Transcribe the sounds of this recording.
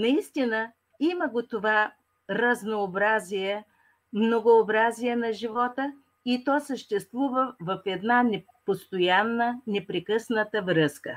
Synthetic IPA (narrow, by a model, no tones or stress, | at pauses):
nɐist̪inə | iməɡot̪ova | ɾɐznoːbɾazijɛ | mnoɡoːbɾazijɛnɐʒivɔt̪ə | it̪ɔsəʃt̪ɛst̪vuvəvɐfɛd̪nanɛ | post̪ojanːənɛpɾɛkɤsnət̪əvɾɤskə̰